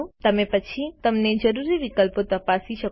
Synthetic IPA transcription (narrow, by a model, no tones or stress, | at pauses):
t̪əmẽpət͡ʃʰit̪əmned͡ʒəɾuɾiʋikəlpot̪əpasiʃə